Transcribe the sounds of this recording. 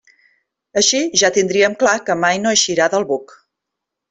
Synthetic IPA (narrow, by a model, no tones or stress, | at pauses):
əʃiʒat̪ind̪ɾiəmklakəmajnoəʃiɾaðəlˠβuk